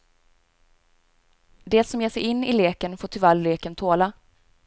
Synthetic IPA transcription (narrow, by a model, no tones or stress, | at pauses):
d̪eːsɔmjeːʂɛ̰jɪnːɪ̰leːkənfoːʈʰɪvalleːkənt̪ʰoːla